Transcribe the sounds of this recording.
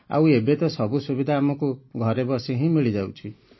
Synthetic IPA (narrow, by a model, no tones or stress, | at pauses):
a̰webet̪ɔsɔbusubid̪ʱaːmɔkuɡʱɔɾebɔsiɦĩmiɭid͡ʒawt͡ʃʰi